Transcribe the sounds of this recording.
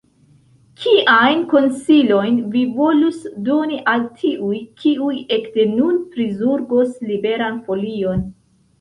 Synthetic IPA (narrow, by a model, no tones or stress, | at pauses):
kʰiʔajnko̞nsilo̞jnvivo̞lusdo̞niʔaltʰiʔujkʰiuje̞kde̞nunpɾizuɾɡoslibe̞ɾanfo̞lio̞n